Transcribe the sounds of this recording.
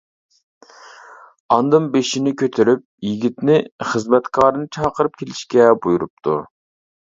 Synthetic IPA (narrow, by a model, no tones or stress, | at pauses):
ɑnd̪ɨmbeʃinɪkʲʰøt̪ʰɪɾyp̚jiɡʲit̪nɪχəzmɛt̪kʰɑːɾɨnɨt͡ʃʰɑːqəɾɨp̚kʲʰelɪʃkʲɛbujuɾup̚t̪ʰṵ